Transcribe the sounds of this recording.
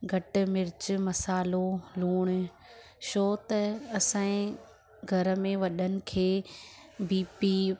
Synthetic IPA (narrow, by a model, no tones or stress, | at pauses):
ɡʱɐʈɪ̆mɪɾɪt͡ɕɪ̆mɐsaːloluːɽ̃̆ | ʃoːt̪ɐɐsãːĩ | ɡʱɐɾəmẽʋɐɗənɪ̆kʰeː | biːpi